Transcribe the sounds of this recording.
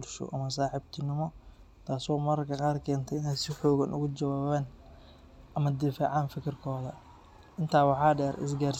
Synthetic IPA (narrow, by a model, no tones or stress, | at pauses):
ɾʃɔ̰ʔɐmɐs̬aːħɪbt̪ʰɪnɪmɔ | t̪ʰaːsɔːmɐɾkʰɐqɑːrkʰɛːnt̪ʰɛɪnɛjsɪħɔːɣɐnʔʊ̰ɣʊd͡ʒɐwaːβɛːn | ʔɐmɐd̪ɪfa̰ːʕɑːnfɪkʰɪrkʰɔːðɐ | ʔɪnt̪ʰaːwɑħɑːɖɛːɾɪ̰s̬ɡaːrs